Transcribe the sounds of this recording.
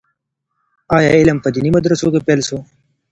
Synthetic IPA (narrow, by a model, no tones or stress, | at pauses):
ɑjɑɪləmpəd̪inimad̪ɾəsokepelso